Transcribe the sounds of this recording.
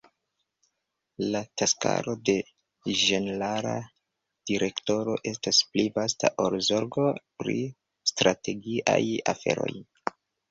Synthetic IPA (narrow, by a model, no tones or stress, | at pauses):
lataska̰ɾo̞de̞ | ʒe̞nelaɾa | d̥iɾe̞kto̞ɾo̞ʔe̞stasplivasta̰ʔoɾzo̞ɾɡo̞pɾḭ | stɾate̞ɡiʔa̰jafe̞̰ɾo̞̰j